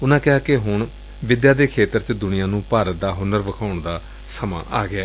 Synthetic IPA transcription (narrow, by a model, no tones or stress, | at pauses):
ʊnãːkɪɦaːkɪɦʊɳ | ʋɪd̪jaːd̪eːkʰeːt̪əɾt͡ʃəd̪ʊnɪjãːnũːpaːɾət̪̚d̪aːɦʊnəɾʋəkʰaːʊɳd̪aː | səmã̰ːʔaːɡɪaː